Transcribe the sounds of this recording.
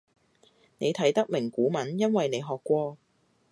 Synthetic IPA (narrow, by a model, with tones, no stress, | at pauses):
ne˨˧jt̪ʰɐ˨˥jt̪ɐ˥k̚mɪ˨˩ŋkuː˨˥mɐ˨˥njɐ˥nwɐ˨jne˨˧jɦɔː˨kːʷɔː˧